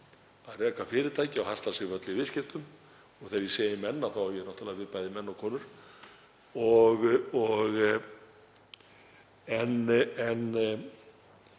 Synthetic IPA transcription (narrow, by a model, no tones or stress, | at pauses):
aðrɛːkafɪːɾɪt̪ʰaːjcɪawhast̪asɪvœt̪lɪvɪðscɪft̪ʏm | ɔɣθeɾjiseːjɪmɛnːaθawjɛɛɾnɔht̪alavɪðpajðɪmɛnːɔkʰɔːnʏɾ̥ | ɔɣɔɣ | ɛnɛn